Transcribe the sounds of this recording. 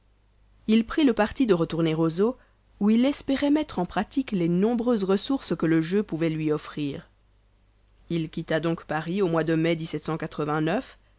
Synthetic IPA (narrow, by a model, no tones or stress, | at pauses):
ilpχiləpaʁt̪id̪əʁət̪uʁneʁozo | uilɛspɛʁɛmɛt̪χɑ̃pχat̪iklenɔ̃bʁøzʁəsuʁskələʒøpuvɛlɥiɔfχiːʁ | ilkʲit̪ad̪ɔ̃kpaʁiomwad̪əmɛd̪isɛt̪sɑ̃kat̪χəvɛ̃nœf